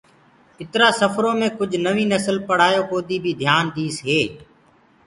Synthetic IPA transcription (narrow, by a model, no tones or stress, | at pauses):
ɪt̪ɾaːsəfʰɾõːmẽːkʊd͡ʒʱnəʋĩːnəsəlpəɽ̤aːjoːkoːd̪iːbʱiːd̪ʱjaːnd̪iːsɦeː